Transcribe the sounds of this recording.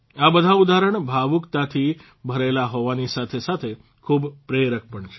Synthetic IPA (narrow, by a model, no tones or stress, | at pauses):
abəd̪ʱaud̪aɾəɳbʱaʋukt̪at̪ʰi | bʱəɾelaɦoʋanisat̪ʰesat̪ʰe | kʰubpɾeɾək̚pəɳt͡ʃʰe̥